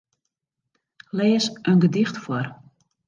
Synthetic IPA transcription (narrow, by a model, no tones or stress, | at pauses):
lɛːsʔənɡədɪxtfwɔr